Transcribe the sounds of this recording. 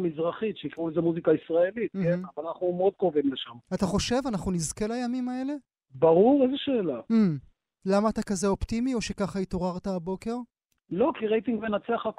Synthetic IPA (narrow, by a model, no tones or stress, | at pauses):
mizʁaχitʃeikʁulezemuzikaisʁae̞lit̪̚mkemnavalanaχnumeo̞d̪̚kovimleʃamat̪aχo̞ʃe̞vanaχnunizke̞lajamimae̞le̞ | baʁuʁezeʃe̞ːla | lamaːt̪akazeo̞pt̪imio̞ʃe̞kaχait̪o̞ʁaʁt̪aːbo̞ke̞ʁ | lo̞kiʁejt̪iŋɡvenat͡seaχak